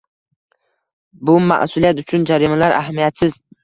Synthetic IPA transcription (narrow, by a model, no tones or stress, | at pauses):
bʊma̰ʔsuliat̪ʊt͡ʃʰʊnd͡ʒaɾimalaɾa̰ɦmijat̪sɪz̥